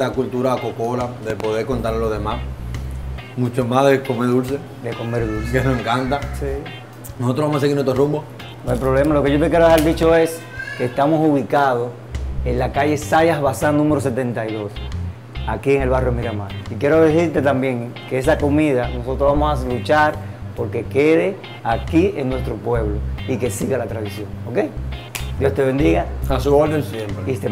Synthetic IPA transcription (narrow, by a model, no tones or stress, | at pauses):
akult̪uɾaːkokolad̪epo̞ðeɾko̞nt̪aɾlozðemas | mũt͡ʃomaðekomeɾðuls̬e | d̪eko̞meɾðulsekenoseŋkant̪asi | nosot̪ɾoβamohas̬eiɾnet̪ɾorumbo | noajpɾoβle̞malo̞keʝot̪ek̬jeɾoehaɾd̪it͡ʃo̞e̞s | kest̪amo̞suβikað̞o̞ | e̞nlakaʝe̞sajasβasannũme̞ɾo̞s̬et̪e̞nt̪ajðo̞s | akieŋe̞lβarjomiɾama̰nikje̞ɾo̞ðesiɾt̪e̞t̪ambje̞ŋkeesako̞miðano̞so̞t̪ɾoβamosalut͡ʃaɾpo̞ɾke̞ke̞ð̞e | akieŋnwe̞st̪ɾo̞pwe̞βlo̞ike̞siɣalat̪ɾaðisjo̞ŋokejd̪jost̪e̞βe̞nd̪iɣaasuolelseloist̪e